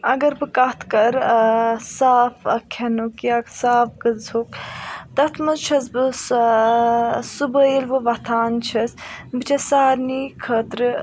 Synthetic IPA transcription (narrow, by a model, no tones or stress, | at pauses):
ɐɡɐɾbɨkɐt̪ʰkɐɾ | saːfɐkʰɐnukjaːksaːfɡɨzhukt̪ɐt̪ʰmɐzt͡ʃʰɐsbɨs | subəjilʋɨʋɐt̪ʰaːnt͡ʃʰɐsbɨt͡ʃʰɐsaːɾniːkʰɐt̪ɾɨ